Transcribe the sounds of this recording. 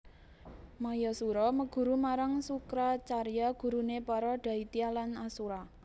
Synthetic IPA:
majɔsuɾɔməɡ̥ṳɾumaɾaŋsukɾat͡ʃarjaɡ̥ṳɾunepaɾɔɖ̪̥ä̤it̪ialanasuɾa

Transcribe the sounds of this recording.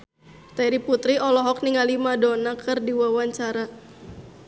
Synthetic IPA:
t̪ɛɾiput̪ɾiɔlɔɦɔk̚niŋalimadɔnakɨrdiwawaɲt͡ʃaɾa

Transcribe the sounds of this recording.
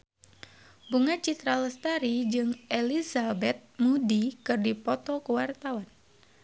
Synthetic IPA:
buŋat͡ʃit̪ɾaləst̪aɾid͡ʒɨŋelizabɛt̪̚mudikɨrdipɔt̪ɔkəwart̪awan

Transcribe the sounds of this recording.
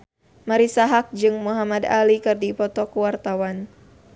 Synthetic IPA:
maɾisaɦak̚d͡ʒɨŋmuɦamad̪a̰likɨrdipɔt̪ɔkuwart̪awan

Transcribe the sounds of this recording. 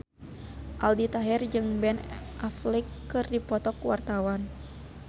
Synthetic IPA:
ʔaldit̪aɦɛrd͡ʒɨŋbɛnʔaflikːɨrdipɔt̪ɔkuwart̪awan

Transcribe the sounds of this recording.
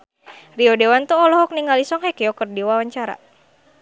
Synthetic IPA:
riɔdewant̪uɔlɔɦɔk̚niŋalisɔŋhɛkɛjɔkərdiwawaɲt͡ʃaɾa̰

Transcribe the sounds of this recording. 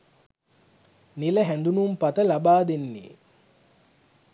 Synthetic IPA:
niləɦænd̪unumpat̪əlabaːd̪enːḛː

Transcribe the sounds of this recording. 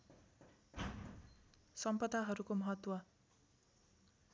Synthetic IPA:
sʌmpʌd̪aɦʌɾukomʌɦʌt̪wʌ

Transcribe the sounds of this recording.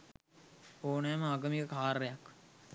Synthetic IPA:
oːnɛːməɐɡəmikəkʰaːɾːejɐk

